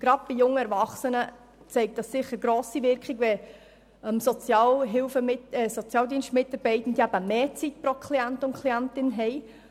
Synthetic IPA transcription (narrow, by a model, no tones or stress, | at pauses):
ɡ̥ɾɑd̥̚b̥ijʊŋːəɛɾvɑχsənə | t͡sɛɪk̚t̚d̥ɑssɪχːəɾɡɾoːsivɪɾkχiɡvɛ | əmsɔt͡sjɑːlɦɪlfəmɪɛsɔt͡sjɑːldiənʃtmɪtɑɾbɛɪtn̩diæbəmeːt͡sitpɾɔkʰliæntʊnkʰliæntɪnɦɛɪ